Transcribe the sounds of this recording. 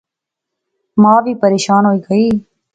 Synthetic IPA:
mãːʋiːpəɾeːʃaːnɦoːiːɡəiː

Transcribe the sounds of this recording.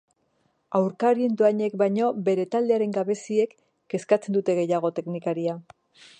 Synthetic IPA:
awɾkaɾie̞nt̪uaɲe̞kbajɲo̞be̞ɾe̞t̪ald̪e̞aɾe̞ŋɡaβe̞sie̞kː | e̞skat͡se̞nd̪ut̪e̞ɣ̞e̞jaɣ̞o̞t̪e̞knikaɾia

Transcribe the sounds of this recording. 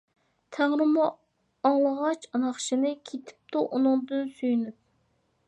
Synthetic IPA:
t̪ʰæŋɾɨmɑ | ɑŋlˠəʁɑt͡ʃɑnɑχʃinɨkʲʰet̪ʰɪ̥p̚t̪uʔunʊŋd̪ɨnsyjynyp̚

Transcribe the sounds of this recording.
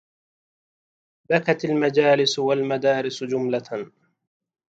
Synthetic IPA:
bakat̪almad͡ʒaːlɪsʊwalmad̪aːɾɪsd͡ʒʊmla

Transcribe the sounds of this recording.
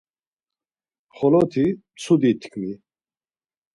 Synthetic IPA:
χɔlɔt̪ʰi | t͡sʰud̪it̪ʰkʰni

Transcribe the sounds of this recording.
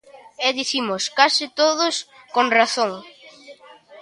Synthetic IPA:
ɛðiθimoskasɪt̪oðʊskonraθoŋ

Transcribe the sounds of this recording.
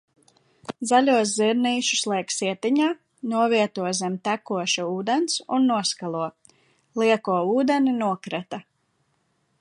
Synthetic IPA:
zaʎʲuɔs̬ziɾniːʃu̥slˠiɛksiɛt̪iɲaː | nuɔviɛt̪uɔzɛmt̪ækuɔʃuuːd̪ɛnsunːuɔskalˠuɔ | lˠiɛkuɔuːd̪ɛninuɔkɾɛt̪a

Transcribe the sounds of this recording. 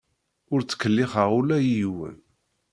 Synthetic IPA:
ʊɾt͡sːə̥kːəlːɪχəʁulæjijwæ̰n

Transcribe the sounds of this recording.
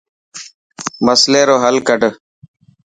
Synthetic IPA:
məsleːɾoːɦəlkəʈə

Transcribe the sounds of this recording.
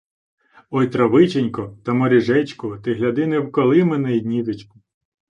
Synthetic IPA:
ɔjt̪ɾɐʋɪt͡ʃenʲkɔt̪ɐmɔɾʲiʒɛt͡ʃkʊt̪ɪɦlʲɐd̪ɪnɛwkɔlˠɪmɛnɛid̪ʲnʲiʋet͡ʃkʊ

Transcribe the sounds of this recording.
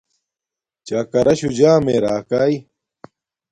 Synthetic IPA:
t͡ɕaːkɐɾɐɕud͡ʑaːmeːɾaːkaːi

